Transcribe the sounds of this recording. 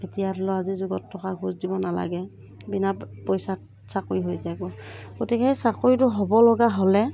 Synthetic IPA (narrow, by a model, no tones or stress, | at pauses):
etijatɔlɔazizuɡɔtʰːɔkaɡʰʱuzdibɔnala̰ɡɛ | binapojsat | sakuiɦojzaɡɔɡ̥otikɛsakuitʊɦɔbɔlɔɡaɦolɛ